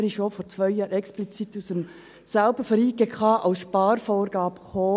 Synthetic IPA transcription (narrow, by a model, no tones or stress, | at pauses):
ɾiofoːɾt͡svœɪjɑːɾɛksplit͡sit̪usəm | salb̥əfəɾiːɡ̥ekʰɑːʔaʊsʃpɑːɾfoːɾɡ̥ɑːbχoː